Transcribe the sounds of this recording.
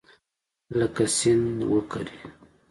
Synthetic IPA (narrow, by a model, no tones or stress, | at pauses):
lakasɪnd̪wəka̰ɾi